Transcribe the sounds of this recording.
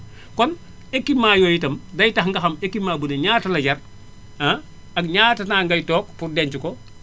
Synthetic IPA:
kɔn | ekːimaːjɔjitɐmdɐjtɐxŋɡɐxɐmekːimaːbunɛɲaːtɐlɐɟɐr | ɐ | ɐkɲaːtɐnaːŋɡɐjtɔːk̚purdɛnt͡ʃukɔ

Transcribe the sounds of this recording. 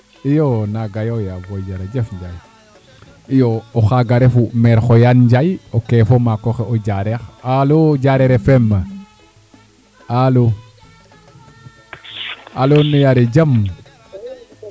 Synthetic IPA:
ijonaɡajojavoɟaɾed͡ʒefɲɟaj | ijooxaɡaɾefumeɾxojanɲɟajokefomakoxeoɟaɾexaloɟaɾeɾefemːa | alo | alonujaɾeɟam

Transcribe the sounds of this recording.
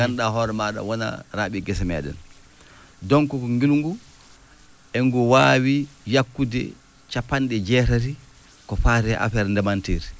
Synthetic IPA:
anɗaɦɔɾɛmaːɗa̰wɔna̰ɾaːɓiɡɛsɛmɛ̰ːɗɛ̰n | dɔŋkɔkɔŋɡilŋɡu | ɛŋɡuwaːwijakːudɛ̰ | t͡ʃapːandɛd͡ʒɛːɾaɾi | kɔfaːɾɛʔa̰fɛɾndɛmanteɾi

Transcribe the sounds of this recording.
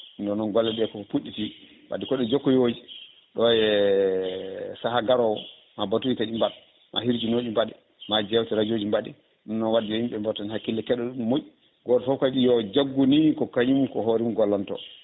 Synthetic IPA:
indɔnɔnɡɔlːɛɗɛkɔpuɗːiti | wa̰dikɔɗɛd͡ʒokːɔjod͡ʒi | ɗɔjɛ | saɦaɡaɾɔw | mabatuitaɗimbat | mʔa̰hiɾd͡ʒinoɗimbaɗɛ | mad͡ʒɛwtɛɾad͡ʒod͡ʒimbaɗɛ | nɔnːɔnwadːihimbɓɛmbɔtanhakːilːɛkɛɗɔɗumːoʔi | ɡɔːtɔfɔkaɗijɔd͡ʒaɡːunikɔkaɲumkɔɦoɾimɡɔlːantɔ̰

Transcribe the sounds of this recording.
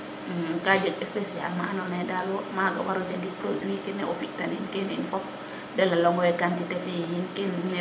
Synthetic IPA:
kad͡ʒəɡɛspesia̰lmaːnɔnɛdalwɔmaɡa̰waɾɔd͡ʒadipɾodwikɛnɛʔɔfik̚taninkɛninfɔp̚ | dɛlalɔŋɡɔɛkantitɛfehinkɛnn

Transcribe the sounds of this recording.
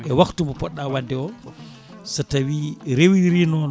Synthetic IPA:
ʔɛwaktumɔpɔɗːawadːɛɔ | satawiɾewiɾinɔn

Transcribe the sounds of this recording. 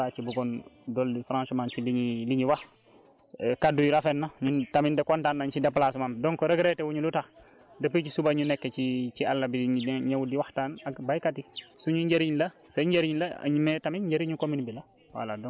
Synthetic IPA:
at͡ʃibuɡɔndɔldifɾãnʃɔmant͡ʃiliɲiliɲiwah | kadujulafɛnːaɲutamindɛkɔntanːaɲt͡ʃidɛpːlasumamdɔŋkɔɾɐɡɾetɛwuɲuluta | dɐpit͡ʃisubaɲunɛkːet͡ʃit͡ʃialːabiɲawudiwaxtaːnaɡbajkatisuɲuɲɟeɾiɲlɐsɐɲɟeɾiɲlɐ̰ɲimetaminɟeɾiɲukominbila | wa̰ladɔ

